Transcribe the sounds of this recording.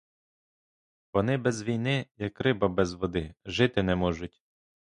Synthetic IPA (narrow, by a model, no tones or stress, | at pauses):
ʋɔnɪbɛzʋʲijnɪjɐkrɪbɐbɛzʋɔd̪ɪʒɪt̪ɪnɛmɔʒʊtʲ